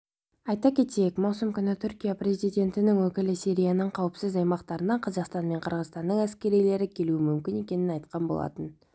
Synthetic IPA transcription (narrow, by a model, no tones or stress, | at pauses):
ɑjt̪ɑkʲʰe̞t̪ejekmɑwsəmkʲʏnɑt̪ʰʏɾkʲijaprʲe̞zʲijd̪ʲe̞nt̪ɪnɪŋwɵkʲɪlɪsiɾʲijanəɴqʰɑwəpsɪzɑjmɑqt̪ɑɾənɑqʰɑzɑqst̪ɑnme̞ɴqʰəɾʁəzt̪ɑnd̪əɴæskʲe̞ɾijle̞ɾɪkʲʰe̞luɪmʏmkʲɪne̞kʲe̞nɪnɑjt̪qɑnbo̰lˠɑ̰t̪ən